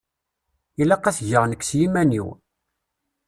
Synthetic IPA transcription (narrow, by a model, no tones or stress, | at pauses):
ilæqɑsʝəʁnəkːsjimænḭw